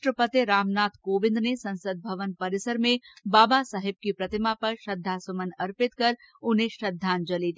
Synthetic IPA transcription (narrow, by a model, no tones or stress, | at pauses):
ʈɾəpət̪eɾaːmnaːt̪ʰkoːʋɪ̃nd̪nesɐ̃nsəd̪̚bʱɐʋənpɐɾɪsəɾmẽbaːbasaːɦɪb̚kipɾɐt̪ɪmapɐɾʃɐd̪ʱːasʊmənɐɾpɪt̪kɐɾ | ʊnɦẽʃɐd̪ʱːaːnd͡ʒɐliːd̪i